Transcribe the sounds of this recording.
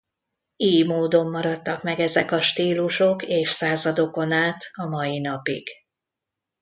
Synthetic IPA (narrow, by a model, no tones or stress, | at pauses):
iːjmoːd̪o̞mːɒɾɒt̪ːɒkmɛɡɛzɛkɒʃt̪iːluʃo̞keːfsaːzɒd̪o̞ko̞naːt̪ɒmɒjinɒpḭɡ̥